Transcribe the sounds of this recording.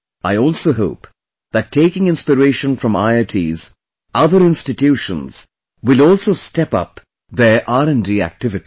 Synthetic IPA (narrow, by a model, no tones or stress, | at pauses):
aɪɔːlˠsoːɦoʊp | ðæʈʰːeɪkɪ̃ŋɪ̃nspəɾeɪʃə̃nfɾʌ̃ma̰ɪəʈʰiz | ʔʌðəɾɪ̃nstɪtjuːʃə̰̃nz̥ | wɪlɔːlsoːstɛpʌ̰p | ðə˞ʔaɾə̃nɖiæ̰k̚tɪvɪti̥